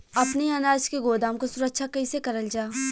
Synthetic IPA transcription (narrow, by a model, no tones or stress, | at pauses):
ɐpneɐnaːd͡ʒkeɡoːd̪aːmkosʊɾəkʃʰakɐisekɐɾəld͡ʒaː